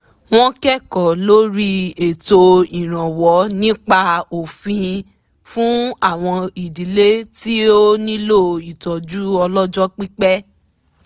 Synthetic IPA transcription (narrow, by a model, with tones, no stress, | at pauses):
w̃ɔ̃˦kɛ˦˨kɔ˨lo˦ɾi˦e˨to˧i˨ɾ̃ã˨wɔ˨˦nĩ˦k͡pa˦o˨fĩ˧ | fũ˦a˦˨w̃ɔ̃˧i˨di˨le˦ti˦o˦nĩ˦lo˦˨i˨tɔ˨d͡ʒu˦ɔ˧lɔ˦d͡ʒɔ˦k͡pi˦k͡pɛ˦